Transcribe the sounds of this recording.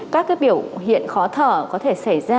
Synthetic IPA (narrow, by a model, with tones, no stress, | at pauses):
kaː˦˥k̚ːɓi˧˩əwɦḭ˧˨ənxɔ˨˦t̪ʰəː˧˩kɔ˨˦t̪ʰe˧˩sa˧˩jzaː˧